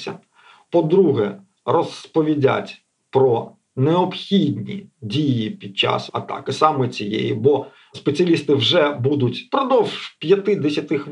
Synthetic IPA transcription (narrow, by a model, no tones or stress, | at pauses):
sʲɐ̰ | pɔd̪ɾuɦɛ̰ | rɔspɔʋʲidʲa̰tʲ | pɾɔ | neɔpxʲidʲnʲḭdʲijipʲid̪̚t͡ʃɑ̰sɐt̪ɑ̰kɪsɑmɛt͡sʲijḛjḭbɔ | spet͡sʲiɐlʲist̪ɪwʒɛbud̪ʊtʲpɾɔd̪ɔwʒpʲjɐt̪ɪd̪ɛsʲɐt̪ɪx